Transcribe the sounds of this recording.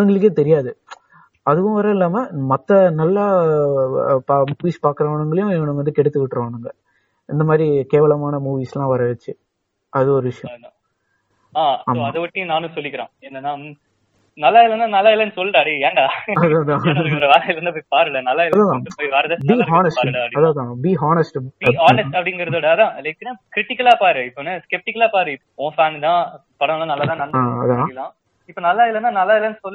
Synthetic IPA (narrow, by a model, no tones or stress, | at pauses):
ɯŋɡɐɭɯk̬ːeːt̪ɛɾɪjaːðɯ | ɐðɯʋʊ̃ʋɐɾɐ̃ɪlːaːmɐmɐt̪ːɐnɐlːɐ | pamuːʋiːspaːɾkɯɾɐʋaːɳɯŋɡɐɭɐjʊ̃ɛʋɐɳɯʋɐnd̪ɯkɛɽɯt̪ːɯʋɪʈːɾɐʋaːɳɯŋɡɐ | ɪnd̪ɐmaːd̪ɾikeːʋɐɭɐmaːnɐmuːʋiːslãːʋɐɾɐʋɛt͡ʃːɯ | ɐðɯɔɾɯʋɪʂɐjɐ̃ | aːsɐːmːɐðɯʋɐʈːĩnaːnɯ̃sɔlːɪkːɪɾḛ̃ːɛnd̪ɐnːaː | nɐlːaːɪlːɐnːãːnɐlːaːɪlːɐnɯsɔlːɾaːɐɽieːɳɖaːɐðãd̪ãɐɾɐʋaːɾɐɪlɾɐnd̪ɐpːoːipaːɾɯɭɐnɐlːaːɪlɐðãːð̃ɯpoːjiʋaːɾɐðɐbiaːnɐspaːaɐpɐɽiɐðaːðãːbiaːnɐsʈbaːnɐsʈɐpːɐɽɪŋɡɐɾɐðoːɽɯɐðãːlɐɪkːɯnakɾɪʈɪkːɐlaːpaːɾɯɪpːonɯskɛp̚ʈɪkːɐlaːpaːɾɯɪpõːfaːnd̪ãː | pɐɽɐ̃ʋlãːnɐlːaːt̪ãːnɐlːaːɐ̰ðãːlãː | ɪpːonɐlːaːɪlːɐnːaːnɐlːaːɪlːɐnsɔlː